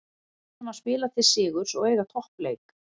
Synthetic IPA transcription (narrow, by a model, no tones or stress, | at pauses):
naspɪːlaθɪ̥sɪːɣʏɾ̥sɔɣeːjɣat̪ʰɔhpleːjk